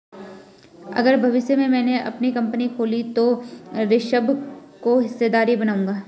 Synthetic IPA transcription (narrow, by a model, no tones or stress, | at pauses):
ɐ̰ɡəɾbʱɐʋɪʃjemẽmɛ̃ːneʔɐpnikɐ̃mpənikʰoːlit̪oɾɪʃəbkoɦɪsːed̪aːɾibɐnaːũːŋɡaː